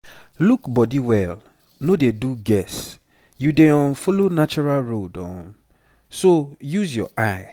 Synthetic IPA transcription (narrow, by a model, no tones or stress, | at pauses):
lukbɔdiwɛl | nodeduɡɛs | judeɔ̃nfolonat͡ʃuɹalɹodɔ̰̃n | sojuzjɔ̰ʔaɪ